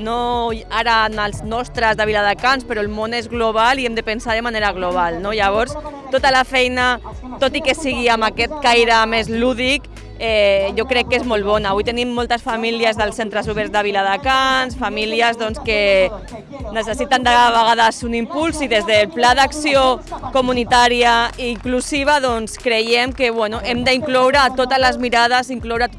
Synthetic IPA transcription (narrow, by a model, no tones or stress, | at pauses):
noaɾanalznɔst̪ɾazðaβilaðakanspəɾɔlmonezɣloβ̞aliemd̪əpənsað̞əmaneɾaɣloβ̞alnoʎaβ̞ɔɾst̪ot̪alafɛjna | t̪ot̪ikesiɣ̞iambakɛt̪̚kajɾamezluðik | ɛʎokɾɛkːezmolβɔnaːβujt̪ənimːolˠt̪asfamiliazðəlˠsent̪ɾəzuβɛɾzðaβilaðakansfamiliəzðɔnskə | nəsəsit̪and̪əðβəɣ̞aðəzunimpulˠziðezðəlplaðaksiokumunit̪aɾiaiːŋkluziβ̞aðɔnskɾəjɛmkəβwɛnuʔɛmd̪əiŋklɔwɾəːt̪ot̪əzləzmiɾað̞əziŋklowɾa